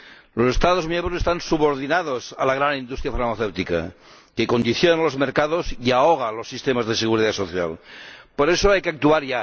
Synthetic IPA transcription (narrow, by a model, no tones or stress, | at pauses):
losest̪að̞ozmjembɾosest̪ansuβo̞ɾð̞inað̞osa̰laɣ̞ɾanind̪ust̪ɾjafaɾmaθewt̪ika̰ | keko̞nd̪iθjonanlo̞zmeɾkað̞osiaoɣ̞alosːist̪emazðeseɣ̞uɾiðat̪so̞θja̰lpoɾesoajkeak̚t̪uaɾʝa